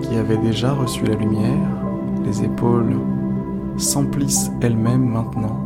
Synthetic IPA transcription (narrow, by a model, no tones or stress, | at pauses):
kʲiavɛd̪eʒaʁəsylalymjɛʁ | lezepol | sɑ̃plis | ɛlmɛmːɛ̃t̪nɑ̃